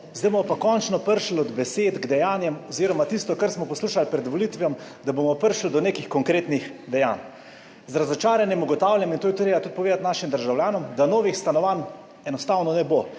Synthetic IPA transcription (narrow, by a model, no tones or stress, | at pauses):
zd̪ajbomɔpakɔnt͡ʃnɔpəɾʃlɔd̪bɛseːd̪ɡd̪ɛjaːnjɛmɔziːɾɔmat̪ist̪ɔkaɾsmɔpɔsluːʃalpɾɛd̪ʋɔlit̪ʋjɛmd̪abomɔpəɾʃld̪ɔneːkixkɔŋkɾeːt̪nixd̪ɛja̰ːn | zɾazɔt͡ʃaːɾanjɛmuɡɔt̪aːwlʲjɛmint̪oːjɛt̪ot̪ɾeːbat̪ut̪̚pɔʋeːd̪at̪naːʃimd̪əɾʒawljaːnɔmd̪anoːʋixst̪anɔʋan | ɛnɔst̪aːwnɔnɛbo